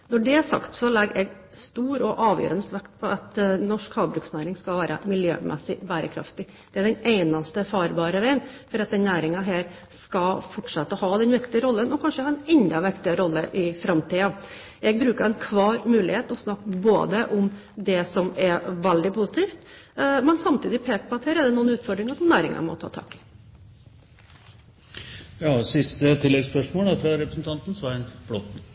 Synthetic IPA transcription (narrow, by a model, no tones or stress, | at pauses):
nɔɖɛæʂɑ̰kt̪sɔlɛɡɛɡ | st̪uːɾɔʔɑːʋjø̰ːɾənəst̪ʋækt̪̚pʰɔʔɑt̪nɔʂkhɑːʋbɾʉːksnæːɾɪŋskɑlʋæːɾə̰mɪljø̰ːmʔɛ̰sːɪbæːɾəkʰɾɑ̰ft̪ɪ | d̪̥ɛæɖɛneɪnɑst̪əfɑːɾbɑːɾəʋæɪənfɔɾɑt̪̚d̪ɛnnæːɾɪŋɑɦeːɾ | skɑfɔʈʂɑt̪ːəhɑːd̪ɛnʋɪkt̪ɪəɾɔlːənɔkʰɑnʂəhɑːdɛnɛnd̪ɑʋɪkt̪ɪəɾɔlːəʔɪfɾɑmt̪iːɑ | jɛɡ̚bɾʉːkəɾɛnkʰʋɑːɾmʉːlɪheːt̪ɔsnɑkːbo̰ːd̪əʔʊmd̪ɛsɔmɛɾʋæɛld̪ɪpʰuːsət̪ʰiːft̪mɛnsɑmt̪ʰiːd̪ɪpʰeːkəpʰɔɑt̪heːɾɛɖ̪ɛnuːənʉːt̪fɔɖɾɪŋəʂɔmnæːɾɪ̰ŋɑ̰mɔ̰t̪ʰɑ̰ːt̪ʰɑ̰ːkɪ̥ | jɑːsɪst̪ət̪ʰɪlːɛɡspœʂmoːlɑfɾɑɾɛpɾəsn̩t̪ɑnt̪n̩sʋɑːɛnb̥lɔt̪n̩